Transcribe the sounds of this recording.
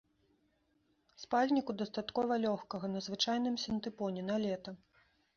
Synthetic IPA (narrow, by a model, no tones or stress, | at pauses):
spalʲnʲikud̪ɐst̪at̪kɔvɐlʲɔxkɐɣɐnɐzvɨt͡ʂajnɨmsʲɐnt̪ɨpɔnʲɛnalʲɛt̪ɐ